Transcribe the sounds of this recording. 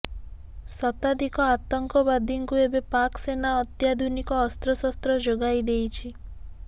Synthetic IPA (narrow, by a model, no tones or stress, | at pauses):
sɔt̪ad̪ʱikɔat̪ɔŋkɔbad̪ʱiŋkuebepaksenaɔt̪jad̪ʱunikɔːst̪ɾɔsɔst̪ɾɔd͡ʒoɡajd̪ejt͡ʃʰi